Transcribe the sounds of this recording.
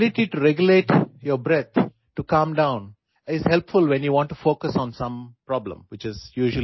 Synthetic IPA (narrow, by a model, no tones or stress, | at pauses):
lɪʈiʈuɾɛɡjʊleːʈjəɾbɾɛt̪ʰ | ʈukʌ̃mɖãʊ̃n | ɪzhɛlpfʊlʋɛ̃njuʋɔ̃ːɳʈːufoːkəsɔ̃ːnsʌ̃mpɾɔblə̰̃mʋɪt͡ʃɪzjuːʒəl